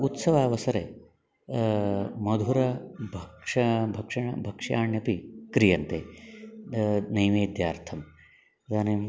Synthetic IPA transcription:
ut̪sɐʋaːʋɐsɐɾe | mɐd̪ʱuɾɐbʱɐkʂɐbʱɐkʂɐɳɐ̰bʱɐkʂaːɳjɐpikɾijɐnt̪eː | nɐjmeːd̪jaːɾt̪ʰɐm | d̪aːnem

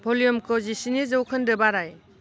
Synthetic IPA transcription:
bʱolijɔmkʰɔzisinizɐwkʰɯndɯbaɾaj

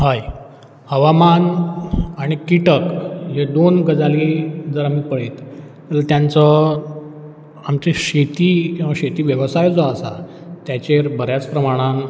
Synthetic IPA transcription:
ɦaj | həʋaman | aɽ̃ikiʈəkɦed̪onɡəd͡zalid͡zəɾamiːpəɽet̪ | ələt̪jãnt͡sə | amt͡seɕet̪iːkĩw̃ʋaɕet̪iːʋjəʋəsajd͡zɔasa̰ | t̪jat͡ɕeɾbəɾjat͡spɾəmaɽ̃a

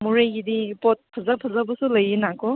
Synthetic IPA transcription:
muɾejɡidipɔt̚pʰɐzɐpʰɐzabɐsulɐjinakɔ

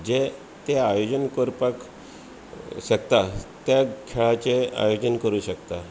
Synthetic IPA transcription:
d͡ʑe | t̪eajod͡ʑənkoɾpak | ɕəkt̪at̪jakʰɛɭat͡ɕea̰jod͡ʑənkəɾuːɕəkt̪a

